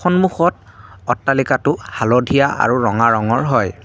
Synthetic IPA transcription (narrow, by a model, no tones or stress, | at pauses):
ɔnmuxɔt | ɔtːalikatʊhalɔdʱijaʔa̰ɹuɹɔŋaɹɔŋɔɹɦɔj